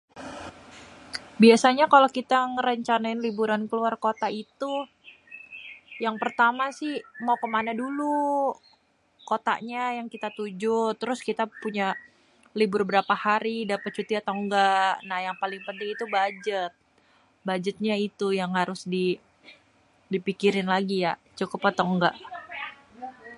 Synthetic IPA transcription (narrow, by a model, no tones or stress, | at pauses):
biasaɲakalokit̪aŋəɾəɲt͡ʃanaɪnlibuɾankəluarkot̪ait̪u | jaŋpərt̪amasɪhmawkəmanadulu | kot̪a̰ɲajaŋkit̪at̪ud͡ʒʊt̪ːəɾʊskit̪apuɲa | libʊrbəɾapahaɾidapat̪̚t͡ʃut̪iat̪oŋɡanahjaŋpalɪŋpənt̪ɪŋit̪ubad͡ʒət̪̚ | bad͡ʒət̪̚ɲait̪ujaŋhaɾʊsdi | dipikiɾɪnlaɡijaʔt͡ʃukʊpat̪oŋɡaʔ